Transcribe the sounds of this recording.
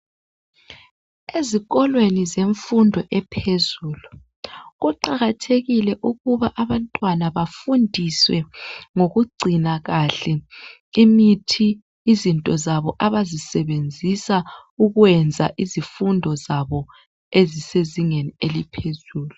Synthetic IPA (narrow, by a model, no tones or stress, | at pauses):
eziɣɔlwenizeɱfundʱɔʔɛpʰezuːlu | ɣuǃaɣatʰeɣilɛʔuɣuβaʔaβantʼwanaβafundʱiswɛŋoɣuɡ͡ǀʱinaɣaɬɛ | imitʰiː | zintʼɔzaβɔʔaβazisɛβend͡zʱisa | uɣwɛnd͡zʱa̰ʔizifundʱɔzaβɔ | eziseziŋenielipʰezuːlu